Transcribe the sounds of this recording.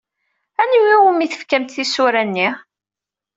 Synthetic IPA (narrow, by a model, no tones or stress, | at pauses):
ænwiwəmiθə̥fkæmt̪θisʊɾænːi